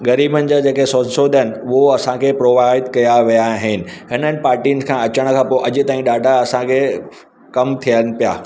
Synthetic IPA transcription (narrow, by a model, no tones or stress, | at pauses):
ɡɐɾiːbənɪ̆d͡ʑaːd͡ʑeːkesonsoːd̪ʱənɪ̆ʊɦoɐsãkʰeːpɾoːʋaːɪd̪kɐjaʋijaɦɪnɪ̆ɦɪnənɪ̆paːɾʈiːnɪ̆kʰãɐt͡ɕəɽ̃̆kʰãːpoːʔɐd͡ʑʊ̆t̪aːĩɗaːɖʱaɐsãkʰe | kɐmt̪ʰijənɪ̆pija̰ː